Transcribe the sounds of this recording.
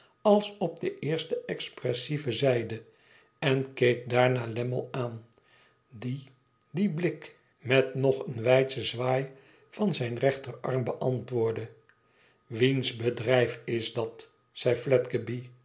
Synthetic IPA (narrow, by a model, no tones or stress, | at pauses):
ɑlˠsɔp̚dəʔɪːɹstəʔɛksprɛsivəzɛjdə | ɛnkejk̚daːɹnaːlɛmə̰lˠaːn | di | diblɪk | mɛtnɔχənʋɛjtsəzʋaːj | vɑnzɛjnrɛχtərɑ̰ɹmbəʔɑntʋʊːɹdə | ʋinzbədrɛjfɪzdɑt | sɛjflɛtɡəbi